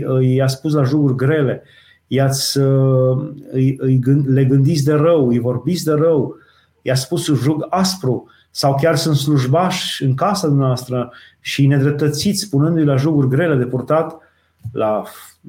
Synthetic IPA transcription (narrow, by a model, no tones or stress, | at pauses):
ɨjaspus̬laʒuɡurʲɡɾe̞le̞ | jat̪sʲə | ɨjɨjɡɨle̞ɡɨnd̪it̪sʲd̪e̞rəwɨjvo̞rbit̪sʲd̪e̞rəw | ɨjat̪sʲspusʒuɡaspɾu | sawkʲarsunt̪s̬luʒbaʃɨŋkasad̪umneavast̪ɾə | ʃine̞d̪ɾe̞p̚t̪ət̪sit̪sʲspunɨnd̪ujlaʒuɡurʲɡɾe̞le̞d̪e̞purt̪at̪ | la